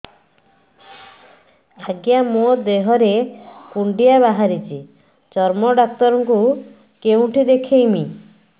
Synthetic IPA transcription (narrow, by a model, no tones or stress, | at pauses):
aɡjamod̪eɦɔɾekuɳɖiaβaɦaɾit͡ʃʰi | t͡ʃɔɾmɔɖak̚t̪ɔɾɔŋku | keũʈʰid̪ekʰejmi